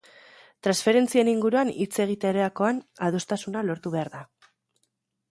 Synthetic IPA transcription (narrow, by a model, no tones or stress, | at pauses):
t̪ɾansfe̞ɾe̞nt͡sie̞niŋɡuɾuanit͡se̞ɣ̞it̪eɾeako̞anaðost̪asunalo̞ɾt̪uβe̞aɾða